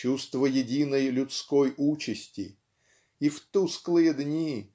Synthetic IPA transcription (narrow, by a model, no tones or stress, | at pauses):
ust̪vəjɪdʲinəjlʲʊt̪skojut͡ɕɪsʲtʲɪ̰ | ift̪usklˠɨjəd̪nʲi